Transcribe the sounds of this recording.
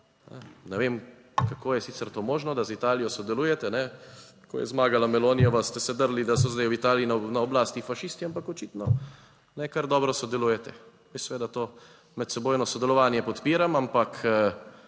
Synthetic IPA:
nɛ̰nɛʋem | kakoːjɛsiːt̪sɛɾt̪oːmoːʒnɔd̪azit̪aːlijɔsɔd̪ɛluːjɛt̪ɛnɛ | kʰo̰jɛ̰zmaːɡalamɛloːnijɔʋast̪ɛsɛd̪əɾlid̪asɔzd̪ajwit̪aːliːnanaɔblaːst̪ifaʃist̪iampakɔt͡ʃiːt̪nɔ | nɛkaɾd̪ɔːbɾɔsɔd̪ɛluːjɛt̪ɛ | ʋisɛʋeːd̪at̪oː | mɛt̪sɛboːjnɔsɔd̪ɛlɔʋaːnjɛpɔt̪piːɾamampak

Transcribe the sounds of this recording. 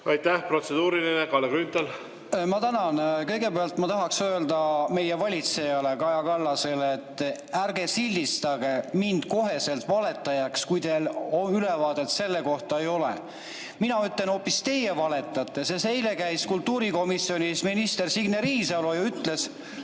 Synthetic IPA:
ɑjt̪ːæhpro̞t̪sed̪̥uːɾilinekɑlekɾynt̪ɑl | mɑt̪ænɑnkɤjɡe̞peɑlt̪mɑt̪ɑɦɑksø̞ːld̪ɑme̞jevɑlʲit̪se̞jɑle̞kɑjɑkɑlːɑse̞let̪ːærɡe̞silʲːist̪ɑɡ̥e̞mind̪̥ko̞ɦe̞se̞lt̪vɑle̞t̪ːˑɑjɑkskujd̪eloylevɑːd̪̥e̞t̪se̞lːe̞ko̞ht̪ɑejo̞lḛ | minɑyt̪ːˑle̞no̞ːpːist̪e̞jevɑle̞t̪ːˑɑt̪ːˑe̞sese̞jle̞kæjskult̪ːuːɾiko̞misio̞nisminist̪e̞rsiɡneɾiːsɑlojɑyt̪le̞s

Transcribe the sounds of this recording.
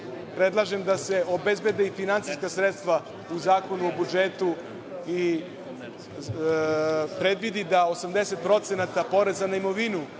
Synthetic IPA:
pɾe̞d̪lˠaʒe̞md̪ase̞o̞be̞zbe̞d̪eifinant̪iskasɾet̪st̪ʋa | uzaːko̞nuo̞bud͡ʒet̪u | i | pɾe̞d̪ʋid̪id̪ao̞samd̪ese̞t̪̚pɾo̞t̪senat̪apo̞ɾe̞zanaimo̞ʋinu

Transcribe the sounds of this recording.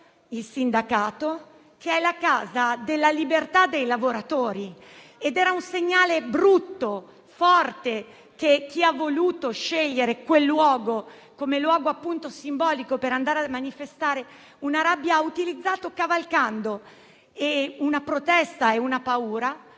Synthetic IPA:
ilsind̪akaːt̪o | kʰeɛlakaːzad̪elːalibert̪ad̪ːejlavoɾat̪oːɾi | ed̪ɛːɾaunseɲːaːlebɾut̪ːo | fɔrt̪e | kek̟ːiavːoluːt̪oʃeʎːeɾekwelːwɔːɡo | komelwɔːɡoapːunt̪osimbɔːlikopeɾand̪aːɾeamanifest̪aːɾe | unaɾabːjaut̪ilid̪zːaːt̪okavalkand̪o | eunapɾot̪ɛst̪aeunapauːɾa

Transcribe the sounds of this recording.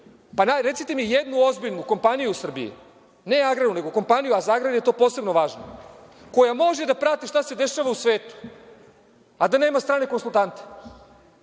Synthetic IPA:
panaɾe̞t̪sit̪emijed̪nuo̞zbiʎnuko̞mpanijusr̩bḭḭ | ne̞aɡɾad̪une̞ɡo̞ko̞mpanijuazaaɡɾad̪je̞t̪o̞ːpo̞ːse̞bnoʋaːʒno | ko̞jamo̞ʒed̪apɾat̪iʃt̪ase̞d̪e̞ʃaʋausʋeːt̪u̥ | ad̪ane̞ːmast̪ɾaːneko̞nsulˠt̪ant̪e̥

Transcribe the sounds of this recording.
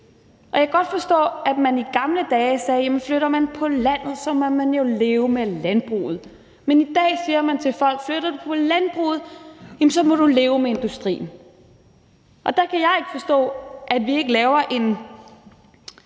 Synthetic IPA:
ʔɒjɑ̈ɡ̥ɒ̽d̥fɒ̽sd̥ɔ̰ːæd̥mæniɡ̥ɑ̈mləd̥ɛːsɛːjæmənfløɾɐmænpʰɒ̽læn̰ð̞̩ˠsɒ̽mɒmænjo̝le̝ːʊəmelænb̥ʁṵːð̩ˠ | menid̥ɛ̰ːsiːɐmænt͡sʰe̝lfɒ̽l̰ɡ̥fløɾ̥ɐd̥upʰɒ̽lænb̥ʁṵːð̞̩ˠjæmnsɒ̽mɒ̽ɾ̥ule̝ːʊmee̝nd̥usd̥ʁḭːn̩ | ʔɒ̽d̥ɑ̈kʰæjɑ̈ɪe̝ɡ̥əfɒ̽sd̥ɔ̰̽ːʔæd̥ʋie̝ɡ̥əlɛːʊɐʔe̝n

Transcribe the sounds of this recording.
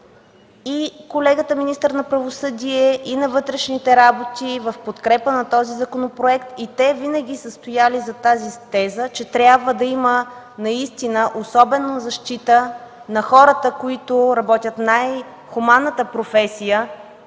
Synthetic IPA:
ikolɛɡət̪əminist̪əɾnɐpɾɐvosɤd̪iɛʔinɐvɤt̪ɾɛʃnit̪ɛɾabot̪ivɐfpot̪kɾɛpənɐt̪ɔzizɐkonopɾoɛkt̪it̪ɛvinəɡ̟ʲisəst̪ojalizɐt̪azit̪ɛzət͡ʃɛt̪ɾʲjabvəd̪ɐimə | nɐist̪inəʔosɔbɛnozɐʃt̪it̪ə | nɐxɔɾət̪əkoit̪oɾɐbɔt̪ʲjət̪naj | xumanːət̪əpɾofɛsijə

